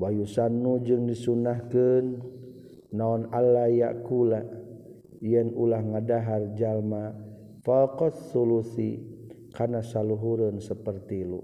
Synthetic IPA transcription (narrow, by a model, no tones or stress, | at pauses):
bajusanːud͡ʒɨŋdisunahkənː | aɔnalːaja̰ʔkulaʔ | jɛnulahŋadaɦard͡ʒalma | fɔkɔt̪sɔlusḭ | kanasaluɦuɾənsəpərt̪ilu